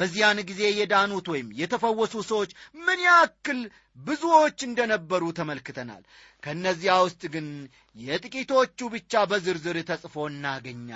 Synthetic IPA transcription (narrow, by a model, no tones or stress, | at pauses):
b̥əzːijanɡize̞jɛd̪anut̪wɔjɪmjɛt̪ʰəfəwːɔsusəwot͡ʃːmɨnjakːɨl | bɨzuwot͡ʃːɨnd̪ənəbːəɾut̪ʰəməlkɨt̪ʰəna̰l | kʰəɨnːəzːihawʊst̪ʼɡɨn | jɛt̪ʼɨkʼit̪ʰo̞t͡ʃːubɨt͡ʃːabəzɨɾzɨɾt̪ʰəsʼfoɨnːaɡəɲːa̰